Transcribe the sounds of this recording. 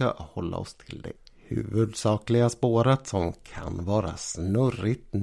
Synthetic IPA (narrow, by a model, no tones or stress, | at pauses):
a̰hɔlːa̰ɔst̪ʰɪld̪ɛ̰hʉ̟̰ːvɵd̪sɑːklɪɡaspoːɾət̪sɔmkʰanvɑːɾa̰snɵrɪt̪